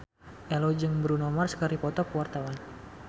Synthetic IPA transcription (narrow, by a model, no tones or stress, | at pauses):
ʔɛlod͡ʒɨŋbəɾunɔmarskəɾipɔt̪ɔkəwart̪awan